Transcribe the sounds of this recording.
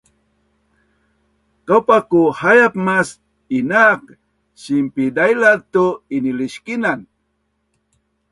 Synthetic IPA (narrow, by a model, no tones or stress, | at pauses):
kawpakuhajapmas | inak̚ | ɕimpidajlat̪uiniliɕkinan